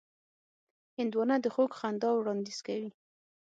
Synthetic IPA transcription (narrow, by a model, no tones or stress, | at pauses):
hɪnd̪wɑnad̪əxoɡxand̪ɑwɽɑnd̪iz̥kawi